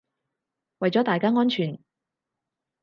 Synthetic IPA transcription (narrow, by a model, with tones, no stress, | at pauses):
wɐ˨jt͡sɔː˨˥t̪aː˨jkaː˥ŋɔː˥nt͡ʃʰyː˨˩n